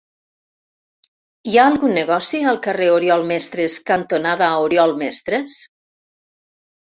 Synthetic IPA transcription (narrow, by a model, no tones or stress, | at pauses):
iaːlˠɣunːeɣɔsiəlˠkəreoɾjɔlˠmɛst̪ɾeskant̪onaðaoɾjɔlˠmɛst̪ɾes